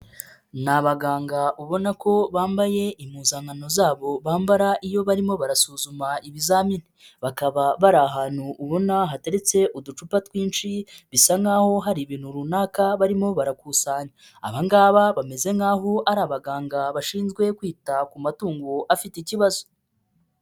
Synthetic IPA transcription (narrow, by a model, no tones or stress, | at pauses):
naβaɡaːŋɡaʔuβo̞nako̞βaːmbaje̞imuzaŋano̞zaːβo̞βaːmbaɾaʔijo̞βaɾimo̞βaɾasuːzumaʔiβizamini | βakaβaβaɾaɦaːn̥huʔːβo̞naɦate̞ɾet͡se̞ʔudut͡ʃupatwiːnt͡ʃiβisaŋaːho̞ɦaɾiβiːn̥uɾunaːkaβaɾimo̞βaɾakusaːɲa | a̰βaŋɡaːβaβame̞ze̞ŋɡaːɦo̞aɾaːβaɡaːŋɡaβaʃiːnzɡwe̞kwiːtakumatuːŋɡoʔafitciβazo̥